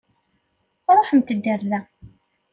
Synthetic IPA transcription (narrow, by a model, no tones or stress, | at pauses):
ɾˤoħəmt̪əd̪ːəɾðæ